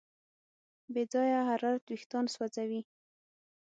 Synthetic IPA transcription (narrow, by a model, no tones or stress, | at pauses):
bed͡zɑjaɦaɾɑɾt̪wixt̪ɑnswad͡zawi